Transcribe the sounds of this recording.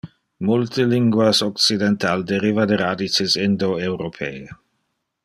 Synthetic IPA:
mult̪əliŋɡwasɔkt͡sid̪ɛnt̪ald̪eɾivad̪eɾadit͡ʃɪsɪnd̪oewɾopʰeː

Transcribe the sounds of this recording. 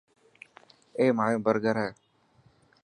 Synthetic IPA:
eːmaːjõːbəɾɡəɾɛː

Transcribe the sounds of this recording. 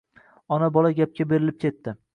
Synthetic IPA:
ɒnabɒlaɡʲap̚kʲabe̞ɾɪlɪp̚kʲʰe̞t̪ːɪ

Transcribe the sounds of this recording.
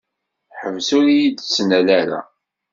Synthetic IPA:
ħəvsʊɾijid̪t͡sːnælæɾa̰

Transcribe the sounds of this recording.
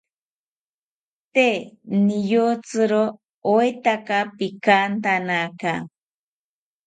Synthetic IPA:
t̪enɪjot͡sɨɾo | ojt̪akapikant̪anaka

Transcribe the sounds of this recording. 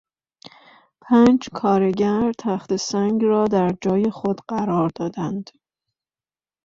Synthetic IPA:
pʰæːnd͡ʒkʰɒːɾe̞ɟæɾt̪ʰæxt̪e̞sæŋɡɾɒːd̪æɾd͡ʒɒːje̞xod̪̥ɢæɾɒːɾd̪ɒːd̪ænd̪̥

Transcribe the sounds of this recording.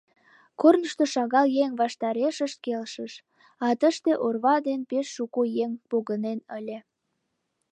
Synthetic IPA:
kornəʃt̪oʃɑɣɑljeŋβɑʃt̪ɑɾeʃəʃt̪̚kelʃəʃ | ɑt̪əʃt̪eʔorβɑd̪enpeʃːukujeŋpoɣənenəlʲe

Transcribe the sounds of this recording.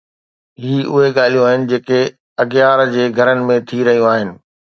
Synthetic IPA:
ɦiːʊɦeɠaːl̤ijũaːɦɪnɪ̆d͡ʑeːke | ɐɡjaːɾd͡ʑeːɡʱɐɾənɪ̆mẽt̪ʰiɾɐɦijũaːɦɪnɪ̆

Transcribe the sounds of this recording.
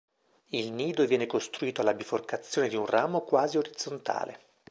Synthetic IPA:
ilniːd̪ovjɛːnekost̪ɾuiːt̪oalabiforkat̪sːjoːned̪iunrʔaːmokwaːzioɾid̪zːont̪a̰ːlḛ

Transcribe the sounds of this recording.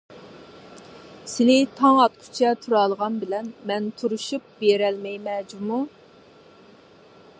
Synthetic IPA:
sɪlɪt̪ʰɑŋɑt̪̚qʰʊ̥t͡ʃʰɛt̪ʰuɾɑlˠʁɑnbɪlɛnmɛnt̪ʰuɾuʃup̚beɾɛlmɛjmɛd͡ʒumu

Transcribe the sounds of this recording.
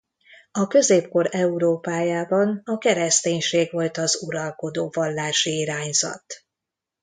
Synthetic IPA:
ɒkøzeːpko̞ɾɛuɾoːpaːjaːbɒnɒkɛɾɛst̪eːɲʃeːɡʋo̞lt̪ɒzuɾɒlko̞d̪oːvɒlːaːʃiiɾaːɲz̥ɒ̰t̪

